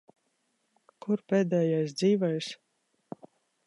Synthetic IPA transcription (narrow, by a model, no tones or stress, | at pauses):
kuɾpeːd̪ɛːjajsd̪ziːvɔjs